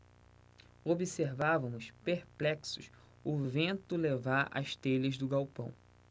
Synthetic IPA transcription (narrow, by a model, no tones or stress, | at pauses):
obiseɾvavɐ̃mʊspeɾplɛksʊs | ʊvẽnt̪ʊlevaɾa̰ʃt̪eʎɐzd̪ʊɡawpɐ̃w̃